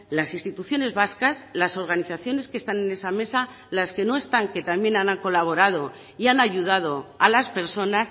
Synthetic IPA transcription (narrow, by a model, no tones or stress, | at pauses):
lasinst̪it̪uθjo̞ne̞zβaskaslaso̞ɾɣ̞aniθaθjo̞ne̞ske̞st̪ane̞ne̞same̞sa | laske̞no̞e̞st̪aŋke̞t̪amje̞nanaŋko̞laβ̞o̞ɾað̞o̞ | ianaʝuð̞að̞o̞alaspe̞ɾso̞nas